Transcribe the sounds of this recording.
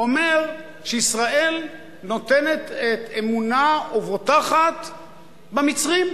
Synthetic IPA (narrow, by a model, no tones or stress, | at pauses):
o̞meʁ | ʃeisʁae̞l | not̪e̞net̪et̪emunaovot̪aχat̪ | bemit͡sʁim